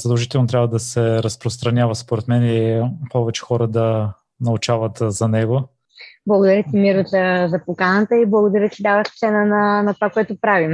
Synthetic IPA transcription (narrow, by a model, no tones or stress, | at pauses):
z̥əd̪ɐlˠʒit̪ɛlˠnot̪ɾʲjabvəd̪ɐsɛɾɐspɾost̪ɾɐnʲavəspoɾɛt̪mɛnɛipɔvɛt͡ʃɛ̥xɔɾəd̪ɐ | nɐʊt͡ʃavət̪zɐnɛɡo | blˠɐɡod̪ɐɾʲjət̪imiɾʊzɐzɐpokanət̪əiblˠɐɡod̪ɐɾʲət͡ʃɛd̪avəʃt̪sɛnənɐnɐt̪ovakoɛt̪ʊpɾavim